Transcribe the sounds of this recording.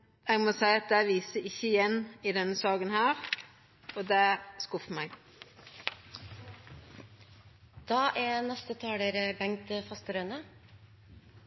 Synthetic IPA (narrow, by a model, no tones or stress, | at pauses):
ɛːɡmoːsæɪɑt̪̚d̪æɪʋiːsəɪçːəɪjɛniːd̪ɛnəsɑːɡənhæːɾ | ɔd̪ɛskʊfmæɪɡ | d̪̥ɑːʔæːnɛst̪ət̪ʰɑːɽəɾəbɛŋt̪əfɑst̪əɾœnə